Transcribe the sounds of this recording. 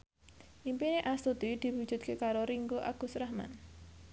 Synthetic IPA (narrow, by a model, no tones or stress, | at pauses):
ʔimpineʔast̪ud̪̥id̪̥i̤wud̥ʒ̥ṳt̪̚kekaɾoɾiŋɡoʔa̰ɡ̥ṳsɾahma̰n